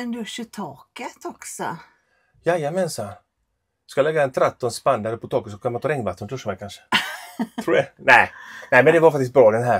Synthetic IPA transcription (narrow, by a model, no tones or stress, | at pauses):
ɛnd̪ɵʂətʰɑːkət̪ɔksɔ̰ | jajamɛnsa | skalɛɡːaɛnt̪ʰɾɛt̪ːɔnspand̪aɾəpɔt̪ʰɑːkət̪sɔkʰamant̪ɔɾɛŋːbat̪ːənt̪ʰɵʂːəmɛkanʂə̥t̪ʰɾuːɛnɛɪnæɪmɛnd̪ɛvaɾfak̚t̪ɪst̪̚bɾɔːd̪ɛnɦæːɾ